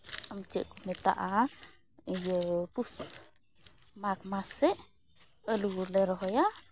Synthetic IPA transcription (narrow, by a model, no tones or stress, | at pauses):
amt͡ʃə̰ʔkumɛt̪a̰ʔa | ijəpus | makmasɛʔ | əlulɛɾɔɦɔja